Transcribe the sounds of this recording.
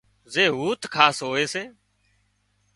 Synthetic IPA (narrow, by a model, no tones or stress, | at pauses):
zeːɦuːt̪kʰaːsɦoːeːseː